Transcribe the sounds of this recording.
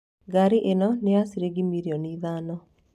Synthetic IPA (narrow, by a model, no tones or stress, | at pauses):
ɡaɾiʔenɔnɪasiɾeɡimiɾiɔniðanɔ